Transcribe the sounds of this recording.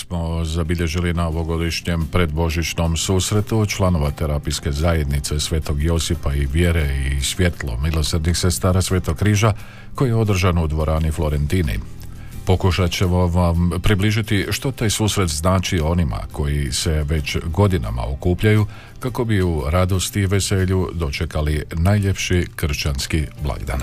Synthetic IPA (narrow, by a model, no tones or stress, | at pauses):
smo̞zabiʎe̞ʒilinaoʋo̞ɡo̞d̪iʃɲe̞mpɾe̞d̪bo̞ʒit͡ʃno̞msuːsɾe̞t̪ut͡ʃlˠano̞ʋat̪e̞ɾapijske̞zaːje̞d̪nit̪se̞sʋe̞ːt̪o̞ɡjo̞sipaiʋje̞ɾeisʋje̞t̪lˠo̞̰milo̞sɾd̪nixse̞st̪aːɾasʋe̞ːt̪o̞ɡkːɾiːʒa | ko̞jijeo̞d̪r̩ʒanud̪ʋo̞ɾʔaːniflˠo̞ɾe̞nt̪inḭ | po̞kuʃat͡ɕe̞ʋoʋampɾibliːʒit̪iʃt̪o̞t̪aːjsuːsɾe̞t̪znaːt͡ʃio̞nima̰kʰo̞jise̞ʋe̞t͡ɕɡo̞d̪ina̰ma̰o̰kuːpʎaju | kako̞biuɾad̪o̞st̪iʋe̞se̞ːʎud̪o̞t͡ʃe̞kalinaːjʎe̞pʃikr̩ʃt͡ʃanskiblˠa̰ɡd̪a̰n